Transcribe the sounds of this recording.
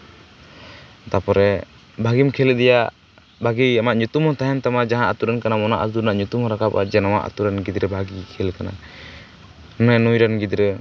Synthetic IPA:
t̪apɔɾɛ | bʱaɡimkʰɛld̪ɛja | bʱaɡiamaʔɲut̪umhɔt̪aɦɛnt̪amad͡ʒaɦãʔat̪uɾɛnkanamɔnaʔasd̪uɾnaʔɲut̪umhɔ̃ɾakapa̰d͡ʒɛnawa̰ʔa̰t̪uɾɛnɡid̪ɾɛbʱaɡikʰɛlkana̰ | nɛnujɾanɡid̪ɾɛ

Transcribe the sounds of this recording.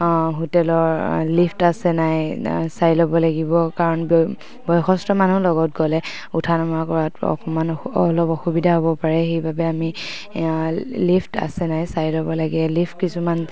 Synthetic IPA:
ɦotɛlɔɹlipʰtasɛnajsajlɔbɔlaɡibɔkaɹɔnb | bɔjxɔstɔmanulɔɡɔt̚ɡɔlɛ | utʰanɔmɹakɔɹatɔ̰kɔmanɔlɔpɔxubidʱaɦobɔpaɹɛxejbabɛami | lipta̰sɛnajsajlɔbɔlaɡɛɛlipʰt̚kisuman

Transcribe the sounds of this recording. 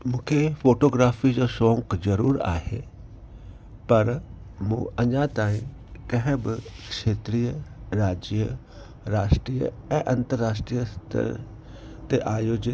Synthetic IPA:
mũːkʰefʰoːʈoːɡɾaːfid͡ʑoːsõːŋkzɐɾuːɾa̰ːɦḛː | pɐɾ | mṵ̃ːɐɲat̪aːĩ | kɐ̃ɦɪ̃bɪkʃeːt̪ɾiːjəɾaːd͡ʑjə | ɾaːʃʈɾijə̰ | ɛ̃ːʔɐ̃nt̪əɾːaːʃʈɾijəst̪ʰə̰ɾ | t̪eʔaːjoːd͡ʑɪ

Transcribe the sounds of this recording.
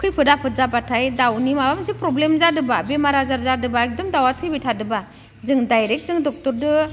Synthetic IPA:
kʰɯjpʰɯdapʰɯzapatʰajdawnimabamsipɾɔblemzadɯbabemaɾazaɾzadɯbaek̚dɔmdawatʰɯjbitʰadɯba | zɯŋdajɾek̚zɯŋdɔk̚tɔɾdɯ

